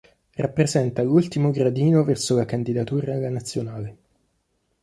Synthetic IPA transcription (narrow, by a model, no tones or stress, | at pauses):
rʔapːɾezɛnt̪alult̪imoɡɾad̪iːnovɛrsolakand̪id̪at̪uːɾalanat̪sːjonaːle